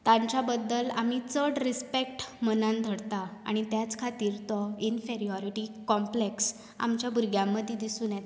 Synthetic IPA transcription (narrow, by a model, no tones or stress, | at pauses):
t̪ãɲt͡ɕabəd̪ːəla̰mit͡səɽɾispek̚ʈmənãnd̪ʱəɽt̪aa̰ɽ̃it̪jat͡skʰat̪iːɾt̪ɔinfeɾiɔɾiʈikɔmpleks | a̰mt͡ɕjabʱuɾɡʱjãmːəd̪ʱːjed̪isuːnjɛt̪